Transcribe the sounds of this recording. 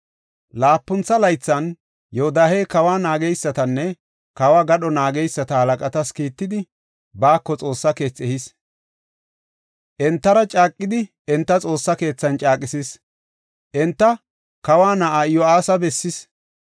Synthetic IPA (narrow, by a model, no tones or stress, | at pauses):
laːpːʊnt͡sɐlɐjt͡sːɐn | jɔʊd̪aːhe̞ːkɐwaːnaːɡɛjsːɐt̪ɐnːɛ | kɐwaːɡɐɗɔnaːɡɛjsːɐt̪ɐhɐlɐkʼɐt̪ɐskiːt̪ːɪd̪ɪ | baːkːɔt͡sʼo̞ːsːɐke̞ːt͡sːɛhɪs | ʔɛnt̪ːɐɾɐt͡ʃʼaːkʼːɪd̪ɪ | ɛnt̪ːɐt͡sʼo̞ːsːɐke̞ːt͡sːɐnt͡ʃʼaːkʼɪsis | ʔɛnt̪ːɐ | kɐwaːnɐʔajɔaːsɐbɛsːɪs